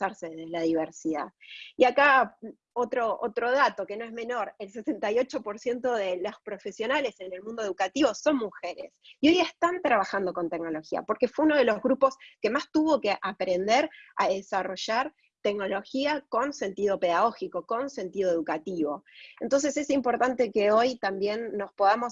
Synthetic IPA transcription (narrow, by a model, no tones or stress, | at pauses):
aɾseðeðelaðiβeɾsiða̰iaka | ot̪ɾoʔot̪ɾo̞ð̞at̪o̞keno̞e̞zme̞no̞ɾe̞lsese̞nt̪ajo̞t͡ʃo̞po̞ɾsje̞nt̪o̞ð̞e̞lospɾo̞fe̞sjo̞nale̞se̞ne̞lmũnd̪oe̞ðukat̪iβo̞so̞nmuxeɾḛsio̞jest̪ant̪ɾaβaxand̪o̞ko̞nt̪e̞kno̞lo̞xia̰po̞ɾke̞fweuno̞ð̞e̞lo̞zɣɾupo̞ske̞mast̪uβo̞keʔapɾe̞nd̪e̞ɾa̰ðesaro̞ʒaɾ | t̪e̞kno̞lo̞xiako̞nse̞nt̪iðo̞pe̞ðaɣ̞o̞xiko̞ko̞nse̞nt̪iðoe̞ðukat̪iβo̞e̞nt̪o̞nse̞se̞simpo̞ɾt̪ant̪e̞ke̞o̞jt̪ambje̞nːo̞spoðamo̞s